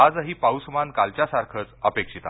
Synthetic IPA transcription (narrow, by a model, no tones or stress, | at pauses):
ad͡zəɦiːpawsmankalt͡ɕjasaɾkʰət͡səpekʂit̪a̰